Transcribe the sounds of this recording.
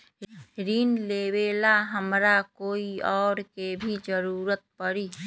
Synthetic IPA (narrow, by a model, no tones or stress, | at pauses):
ɾinleweːlaɦəmɾakoːiɔːɾkebʱid͡ʒəɾuːɾət̪̚pəɽi